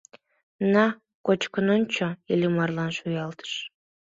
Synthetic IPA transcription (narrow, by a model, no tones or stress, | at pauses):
nɑ | kot͡ɕkə̆nont͡ɕʰojelʲimɑrlˠɑnʃujɑlˠt̪ʰə̥ʃ